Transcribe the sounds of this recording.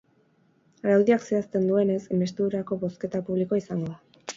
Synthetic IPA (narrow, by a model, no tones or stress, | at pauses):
aɾawðiakse̞ast̪e̞nd̪ue̞ne̞sme̞st̪euɾako̞βo̞ske̞t̪apuβ̞likoisaŋɡo̞ða